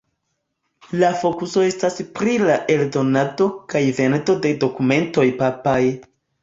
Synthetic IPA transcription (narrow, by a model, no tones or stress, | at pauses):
lafo̞kuso̞e̞staspɾilaʔe̞ldo̞nado̞kajve̞nto̞de̞do̞kume̞nto̞jpapaj